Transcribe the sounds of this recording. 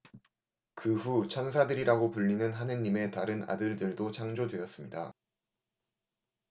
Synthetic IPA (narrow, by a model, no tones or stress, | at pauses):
kɯɸut͡ɕʰʌnsʰadɯɾiɾaɡopuʎːinɯnɦanɯɲːime̞taɾɯna̰dɯɭdɯɭdot͡ɕʰaŋd͡ʑodwe̞ʌs͈ɯmɲida̰